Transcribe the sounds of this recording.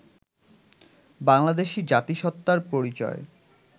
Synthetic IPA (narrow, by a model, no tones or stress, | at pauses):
baŋlad̪eʃid͡ʑat̪iʃɔt̪ːaɾpoɾit͡ɕɔ̰e